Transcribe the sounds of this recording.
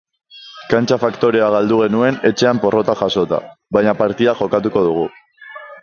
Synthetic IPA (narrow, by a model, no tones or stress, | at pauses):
kant͡ʃafakt̪o̞ɾe̞aɣ̞ald̪uɣ̞e̞nue̞ne̞t͡ʃe̞ampo̞rʔo̞t̪axaso̞t̪a̰βajɲapaɾt̪iðaʝo̞kat̪uko̞ð̞uɣ̞u